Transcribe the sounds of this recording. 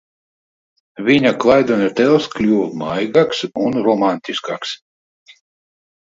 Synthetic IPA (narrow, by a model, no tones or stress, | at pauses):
vʲiɲaklˠajd̪ɔnʲɛt̪ɛlˠsklʲuːmajɡaksunɾɔmanʲt̪ʲiskaks